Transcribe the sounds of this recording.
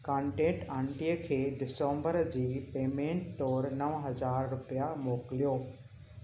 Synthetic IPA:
kãːɳʈẽːʈãːɳʈiəkʰeːɖɪsõːmbəɾd͡ʑiːpeːmẽːɳʈːɔːɾnɐʋɦɐzaːɾɾʊpijamoːkɪlijoː

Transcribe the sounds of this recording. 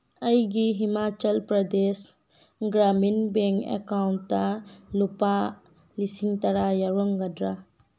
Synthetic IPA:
əjɡiɦimat͡ʃəlpɾɐd̪es | ɡɾaminbɛŋkɛ̰kawnːalupa | lisiŋt̪aɾajaɾɔŋɡadɾa

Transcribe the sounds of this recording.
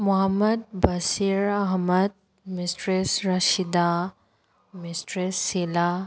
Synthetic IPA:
mʊɦəməd̪̚bɐsiɾɐɦməd̪̚ | misʈɾesɾɐʃid̪a | misʈɾesːila

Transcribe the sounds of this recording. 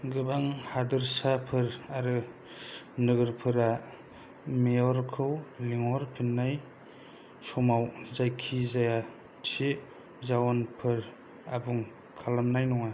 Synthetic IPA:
ɡɯbaŋhadɯɾsapʰɯɾaɾɯ | nɯɡɯɾpʰɯɾa | mejɔɾkʰɯwliŋɔɾpʰinːaj | sɔmawzajkʰizaja | tʰe | zawɔnpʰɯɾ | abuŋ | kʰalamnajnɔŋa

